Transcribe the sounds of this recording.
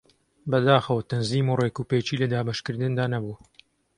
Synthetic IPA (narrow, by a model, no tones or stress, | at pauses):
bɐd̪aːxɐwɐt̪ʰɐnziːmuːrekuːpeːt͡ʃiːlɐd̪aːbɐʃkɨɾd̪ɨnd̪aːnɐbu